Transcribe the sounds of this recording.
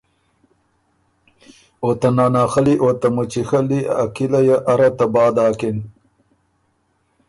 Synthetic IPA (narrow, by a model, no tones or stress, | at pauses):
ot̪anaːnaːxɐliʔot̪ɐmut͡ɕixɐliakilajaʔɐɾɐt̪ɐbaːd̪aːkin